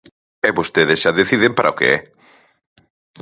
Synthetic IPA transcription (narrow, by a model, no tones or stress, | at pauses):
ɛβost̪eðesʃaðeθiðempaɾʔaokḛɛ̰